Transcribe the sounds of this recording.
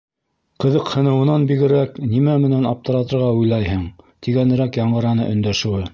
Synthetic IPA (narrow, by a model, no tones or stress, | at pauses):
qɤ̆ðɤqhɤ̆nɤ̆wɤ̆nɑnbiɡɘ̆ɾæknimæmɘ̆nænɑp̚t̪ɤ̆ɾɑt̪ɤ̆ɾʁɑujlˠɑjhɤɴt̪iɡænɘ̆ɾækjɑɴɢɤ̆ɾɑnɤ̰ʔɵ̆nd̪æʃɘ̆wɘ